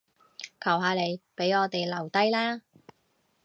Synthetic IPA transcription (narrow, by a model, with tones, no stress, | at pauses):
kʰɐ˨˩wɦaː˨˧le˨˧jpe˨˥jŋɔː˨˧t̪e˨jlɐ˨˩wt̪ɐ˥jlaː˥